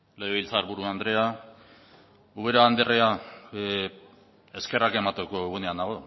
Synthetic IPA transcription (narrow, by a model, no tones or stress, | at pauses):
leeβilt͡saɾβuɾuand̪ɾe̞a | uβe̞ɾaːnd̪erea | e̞ske̞rake̞mat̪eko̞eɣuneanaɣ̞o̞